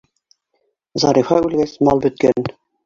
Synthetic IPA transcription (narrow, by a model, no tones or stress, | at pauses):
zɑɾifɑʉlɡæsmɑlˠbɵ̆t̪̚kæn